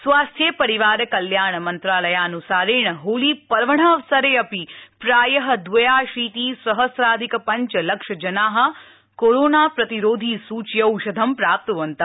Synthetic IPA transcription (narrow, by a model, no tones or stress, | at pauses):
sʋaːst̪ʰjepɐɾiʋaːɾɐkɐljaːɳɐmɐnt̪ɾaːlɐjaːnusaːɾeːɳɐɦoːliːpɐɾʋɐɳɐɐʋsɐɾeːɐpipɾaːjɐɦɐ̆d̪ʋɐjaːʃiːt̪iːsɾɐɦɐsɾaːd̪ʱikɐpɐɲt͡ʃɐlɐkʂɐd͡ʒɐnaːɦɐ̆ | koɾoːnaːpɾɐt̪iɾoːd̪ʱisuːt͡ʃjɐwʃɐd̪ʱɐmpɾaːp̚t̪uʋɐnt̪ɐ